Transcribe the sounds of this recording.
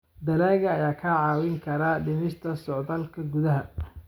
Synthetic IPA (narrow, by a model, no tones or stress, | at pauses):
d̪ɐlɛːɣɐːjaːkʰɐʕɑːwɪŋkʰɐɾaɖɪmɪst̪ʰɐsɔʕdɐlkʰɐɡʊðɐɦɐ